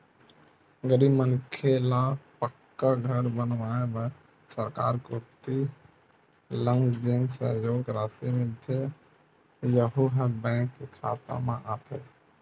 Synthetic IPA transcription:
ɡəɾibmənkʰelapəkːaɡʱəɾbənʋaebə | səɾka̰ːɾkut̪i | lə̃ŋɡd͡ʒensə̰joːɡɾaːsimɪd̪ʱje | jəɦuɦəbɛ̃ːkːekʰaːt̪a̰mẽʔaːt̪ʰe

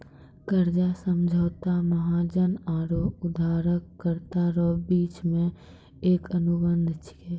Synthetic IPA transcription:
kəɾd͡ʒasəmd͡ʒʱəːt̪aməɦad͡ʒənaːɾoːʊd̪ʱaːɾəkːəɾt̪aɾoːbiːt͡ʃmẽ | eːkənʊbə̃nd̪ʱɪt͡ʃʰkeː

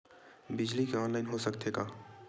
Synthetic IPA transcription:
bɪd͡ʒlikeɔːnlaɪnɦosɐkt̪eːɡaː

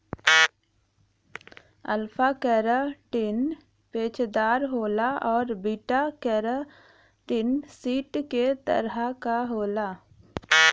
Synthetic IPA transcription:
əlfʰakɛɾaʈɪn | peːt͡ʃd̪aːɾɦoːlaɔːɾbiːʈakɛɾa | ʈɪnsiːʈket̪ə̰ɾɦakaɦoːlaː

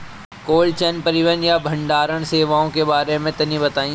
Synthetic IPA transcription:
koːlt͡ʃɐnpɐɾɪʋənjabʱɐ̃ɳɖaːɾəɽ̃seːʋaːõkebaːɾemẽt̪ɐnĩbɐt̪aːĩ

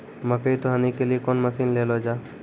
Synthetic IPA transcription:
mɐpʰet̪oɦaːnikeliekoːnmɐsiːnleːlod͡ʒaː

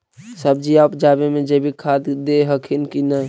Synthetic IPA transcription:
səb̚d͡ʒiapd͡ʒabemẽd͡ʒebʱikʰad̪d̪eɦəkʰinkinəj

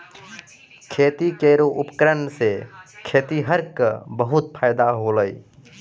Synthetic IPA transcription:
kʰeːt̪ikeːɾoʔʊpkɾənsekʰeːt̪iɦəɾkəbəɦʊt̪̚pʰaːɪd̪aɦoːləi

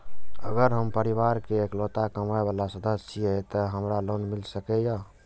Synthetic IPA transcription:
əɡəɾɦəmpəɾibaɾkeeklot̪akəmaebalasəd̪əsiɛt̪əɦəmɾalonmilsəkɛja

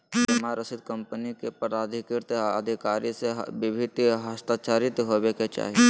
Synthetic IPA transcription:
tɐmaɾəsɪd̪̚kɐmpənikepɐɾaːd̪ʱɪkɪɾt̪ə̰d̪ʱɪkaːɾisebɪbʱɪt̪ɦɐst̪aːt͡ʃaːɾɪt̪ɦoʋeket͡ʃa̰ːɦie

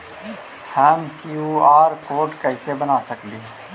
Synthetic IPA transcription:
hɛːmkjuːaːɾkoːɾɖkɛɪsebɐnaːsɐkliː

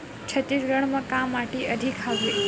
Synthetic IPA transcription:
t͡ʃʰət̪isɡəɳ̃mãkamːaʈeʔəd̪ʱikʰɦaʋe

